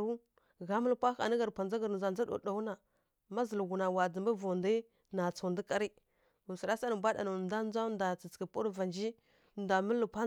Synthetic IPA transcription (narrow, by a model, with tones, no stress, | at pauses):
u˦ | ɣa˦mə˦lpʷa˦xa̰˨nə˦ɣa˨ɾpʷa˨nd͡za˦ɡa˨ɾza˨d͡za˦ɗo̰˨ɗa˨wu˦na˨ | ma˦zə˨lɡu˨na˨wa˨d͡zə˨mba˦vo˨ndə˦ | na˨t͡so˨ndə˦ka˦ɾi˦ | u˨si˨ɾa˦sa˦nə˨bʷa˦ɗa̰˨na˨nda˦n˦d͡za˦nda˨t͡si˨t͡skə˨pu˦ɾva˨nd͡ʒi˦ | nda˨mə˦lːə˨pʷa˦